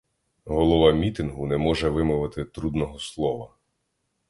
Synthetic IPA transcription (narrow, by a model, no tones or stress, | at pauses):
ɦɔlˠɔʋɑmʲit̪ɪnɦunɛmɔʒɛʋɪmʊʋɪt̪ɪt̪ɾud̪nɔɦɔslˠɔʋɐ